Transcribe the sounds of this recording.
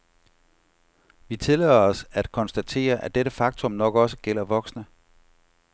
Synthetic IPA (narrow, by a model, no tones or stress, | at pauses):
ʋit͡sʰe̝lɛːð̰ɐɒ̽sæd̥kʰɒ̽nsd̥æt͡sʰe̝̰ːɐʔæd̥eɾəfɑ̈ɡ̥̚t͡sʰɔ̽mnɒ̽ɡ̥ɒ̽sə̥ɡ̥el̰ɐʋɒ̽ɡ̥snə